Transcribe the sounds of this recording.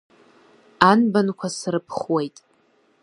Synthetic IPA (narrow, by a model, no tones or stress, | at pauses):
anbankʷʰasrɨpʰχwe̞jtʼ